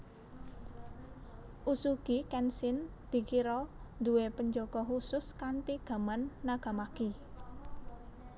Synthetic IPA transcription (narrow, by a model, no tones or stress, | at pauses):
ʔusuɡ̥ikɛnsɪnd̪̥i̤kiɾɔd̪ṳwepəɲd͡ʒoɡ̥ɔɦusʊskant̪iɡ̥ä̤manːaɡ̥a̤maki